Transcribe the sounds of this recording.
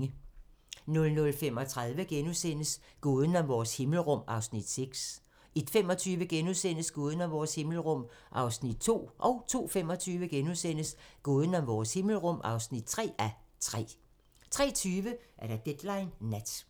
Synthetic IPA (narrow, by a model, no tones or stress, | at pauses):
ə | nɔ̽lnɔ̽lfem̰ɒ̽t͡sʰʁaðˠʋəɡ̥enuðˠsen̰əs | ɡ̥oːðˠn̩ɒ̽ʋɒːshe̝ml̩ʁɔ̽m̰ɑ̈ʊsnid̥seɡ̥s | e̝d̥fem̰ɒ̽t͡sʰyːʋəɡ̥enuðˠsen̰əsɡ̥oːð̞ˠn̩ɒʋɒːshe̝ml̩ʁɔ̽m̰ | ʔɑ̈ʊsnid̥̚t͡sʰo̝̰ːʔɒ̽ʊt͡sʰo̝̰ːfem̰ɒ̽t͡sʰyːʋəɡ̥enusen̰əsɡ̥oːð̞ˠən̩ɒ̽mʋɒːshe̝ml̩ʁɔ̽m̰ɑ̈ʊsnid̥̚t͡sʰʁɛ̰ːæt͡sʰʁɛ̰ː | t͡sʰʁɛ̰ːt͡sʰyːʋəʔæɐɾ̥æd̥ed̥lɑ̈ɪnːæd̥